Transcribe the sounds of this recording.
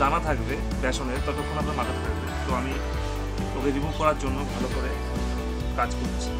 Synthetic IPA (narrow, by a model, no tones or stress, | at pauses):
anat̪ʰakbe | bɛʃoneɾt̪ɔt̪okʰːonat̪amatat̪ʰaked̪bet̪oami | obed̪ibokɔɾaɾd͡ʑonːobʱalokoɾe | kad͡ʑkoɾet͡ɕʰi̥